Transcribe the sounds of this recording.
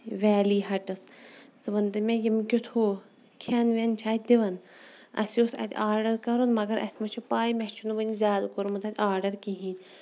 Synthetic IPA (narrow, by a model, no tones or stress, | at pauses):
ʋʲɛːliːɦɐʈɐst͡sɨʋɐnd̪ɨmʲejimkʲut̪ʰoː | kʰaːnʋʲent͡ʃʰaːt̪̚d̪iʋɐnɐ̰siosɐ̰t̪ʲaːɾɖɐɾkɐɾonmɐɡɐɾʔɐ̰sʲmɐt͡ʃʰupaːjmʲet͡ʃʰunuʋənizʲjaːd̪koɾumut̪ʰɐt̪ʲaːɾɖɐɾkiɦiːnʲ